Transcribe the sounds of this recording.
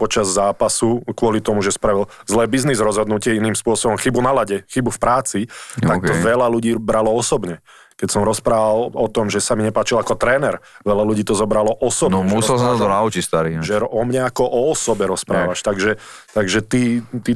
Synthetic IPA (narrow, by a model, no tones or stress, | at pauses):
pɔt͡ʃazzaːpasukʋʊɔlit̪ɔmuʒɛspɾaʋilzlɛːbiznizɾɔzɦɔd̪nucɪɛiniːmspʊɔsɔbɔmxibunalaɟɛxibufpɾaːt͡sit̪ak̪ɔʋɛlaluɟiːbɾalɔɔsɔbɲɛ | kɛcsɔmɾɔspɾaːʋalɔt̪ɔmʒɛsamiɲɛpaːt͡ʃilakɔt̪ɾɛːnɛɾʋɛʎaluɟiːt̪ɔzɔbɾalɔʔɔsɔbnɛussɛlsaat̪ɔnaut͡ʃicst̪aɾiʒɛɔmɲɛakɔʔɔɔsɔbɛɾɔspɾaːʋaʃt̪aɡʒɛt̪aɡʒɛt̪iːt̪i